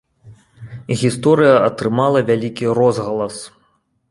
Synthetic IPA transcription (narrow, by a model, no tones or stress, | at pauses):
ɣʲist̪ɔɾɨjɐɐt̪ɾɨmalˠɐvʲalʲikʲiɾɔzɣɐlˠɐs